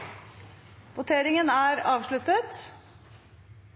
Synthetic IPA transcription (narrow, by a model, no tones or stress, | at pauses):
ʋʊt̪ʰeːɾɪŋənæːɾɑːʋʂɭʉt̪ət̪